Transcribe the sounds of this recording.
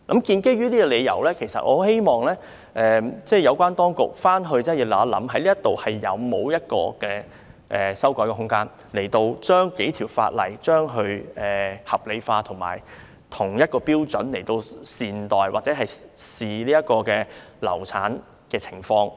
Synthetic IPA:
kɐ˨˥mkiː˧nke˥jɥy˥liː˥kɔ˧le˨˧jɐ̰˨˩wlɛː˥kʰe˨˩jsɐ̰˨t̚ʔɔ̰ː˧he˥jmɔː˨˩ŋlɛː˥ | ʔɛː˨t͡sɛː˥˩jɐ˨˧wkʷaː˥nt̪ɔː˥ŋkʊ˨k̚faː˥nɦɵ˧ɥt͡sɛː˥˩ji˨˧wlɐ˨˩˥lɐ̰˨˥mɦɐ˨˥jliː˥ɐ˥t̪ːo˨whɐ˨jːɐ̰˨˧wmo˨˧wjɐ˥t̚kɔ̰ː˧kɛː˧ | ʔɛː˨˩sɐ˥wkɔː˨˥jkɛ˧ɦʊ˥ŋkaː˥n | le˨˩jt̪o˧wt͡ʃœː˥ŋke˨˥jt̪ʰi˨˩wfa̰ː˧t̚lɐ̰˨˩jt͡ʃœː˥ŋɦɵ˧ɥɛː˨˩hɐ˨p̚le˨˧faː˧t̪ʰʊ˨˩ŋma̰ː˨˩j | t̪ʰʊ˨˩ŋjɐ˥t̚kɔː˧piː˥wt͡ʃɵ̰˨˥nle˨˩jt̪o˧wsiː˨nt̪ɔː˨jwaː˨t̚t͡sɛː˨˥ɦɐ˨jsiː˨liː˥jɐ˥t̚kɔː˧kɛː˧lɐ̰˨˩wt͡sʰa̰ː˨˥n | kɛː˧t͡sʰɪ̥˨˩ŋfɔː˧ŋ

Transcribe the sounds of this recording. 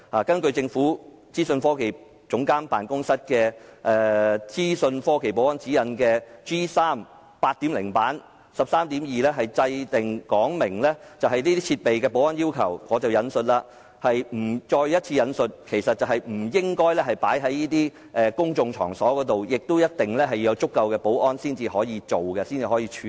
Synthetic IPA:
haː˨˩kɐ˥nkɵ˧ɥt͡sɪ˧ŋfuː˨˥ | t͡siː˥sɵ˧nfɔː˥ke˨˩j | t͡sʊ˨˥ŋkaː˥npaː˨nkʊ˥ŋsɐ˥t̚kɛː˧ʔɛː˧t͡siː˥sɵ˧nfɔː˥ke˨˩jpo˨˥wɐ˥nt͡siː˨˥jɐ˨˧nkɛː˧t͡ʃiː˥saː˥m | paː˧t̚t̪iː˨˥mlɪ̰˨˩ŋpaː˨˥n | sɐ˨p̚saː˥mt̪iː˨˥mjiː˨lɛː˥ɦɐ˨jt͡sɐ˧jt̪ɪ˨ŋkɔː˨˥ŋmɪ˨˩ŋlɛ˥t͡sɐ˨wɦɐ˨jniː˥t̪iː˥t͡sʰiː˧t̚pe˨jkɛː˧p̬o˨˥wɔː˥njiː˥wkʰɐ̰˨˩wŋɔː˨˧t͡sɐ˨wjɐ˨˧nsɵ˨t̚laː˧ | hɐ˨jm̩˨˩t͡ʃɔː˧jjɐ˥t̚t͡sʰiː˧jɐ˨˧nsɵ˨˧t̚kʰe˨˩jsɐ˨t̚t͡sɐ˨whɐ˨jm̩˨˩jɪ˥ŋkɔː˥jlɛː˥ɦɐ˨jpaː˨˥jɦɐ˨˥jjiː˥t̪iː˥ | ʔɛː˨˧kʊ˥ŋt͡sʊ˧ŋt͡ʃʰɔ̰ː˨˩ŋsɔː˨˥kɔː˨˧˥t̪o˨wjɪ˨k̚t̪o˥wjɐ˥t̚t̪ɪ˨ŋlɛː˥ɦɐ˨jɐ˨˧wt͡sʊ˥kːɐ˧wkɛː˧po˨˥wʔɔː˥nsiː˥nt͡siː˨hɔː˨˥jiː˨˧t͡ʃo˨wkɛ˧siː˥nt͡siː˨˩hɔː˨˥jiː˧t͡ʃʰy˨

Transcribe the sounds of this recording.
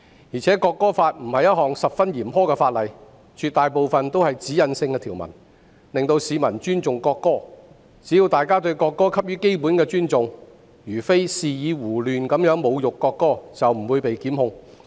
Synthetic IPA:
jiː˨˩t͡sʰɛː˨˥kɔː˧kːɔː˥faː˧t̚m̩˨˩hɐ˨jɐ˥t̚hɔː˨˩ŋsɐ˨p̚fɐ˥njiː˨˩mhɔː˥kɛː˧faː˧t̚lɐ˨˩j | t͡ʃʰy˧t̪aː˨jpo˨wfɐ˨nt̪o˥whɐ˨jt͡siː˨˥jɐ˨˧nsɪ˧ŋkɛː˧t̪ʰiː˨˩wmɐ̰˨˩n | lɪ˨ŋt̪o˧wsiː˨˧mɐ˨˩nt͡ʃyː˥nt͡sʊ˨ŋkɔː˧kːɔː˥ | t͡siː˨˥jiː˧wt̪aː˨˩jkaː˥t̪ɵ˧ɥkɔː˧kːɔː˥kʰɐ˥p̚jyː˥ke˥jpu˨˥nkɛː˧t͡ʃyː˥nt͡sʊ˨ŋ | jyː˨˩fe˥jsiː˨˧jiː˨˧wuː˨˩lyː˨nkɐ˨˥mjœː˨˥ŋmo˨˧wjʊ˨kːɔː˧kːɔː˥t͡sɐ˨wm̩˨˩wuː˨˧jpe˨jkiː˨˥mhʊ˧ŋ

